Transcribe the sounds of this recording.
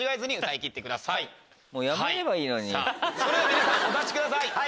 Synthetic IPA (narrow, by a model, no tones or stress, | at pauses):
iɡaizɨɲ̟iɯ̟t̪aikʲit̪ːe̞kɯ̟d̪asai | moːjamaeiɾe̞baiːno̞ɲia̰so̞ɾed̪akʲeɲisãot̪at͡ɕi̥kɯ̟d̪asai